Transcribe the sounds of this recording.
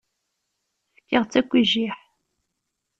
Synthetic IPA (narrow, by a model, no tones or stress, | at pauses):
fkːəʁt͡sːækʷːiʒiħ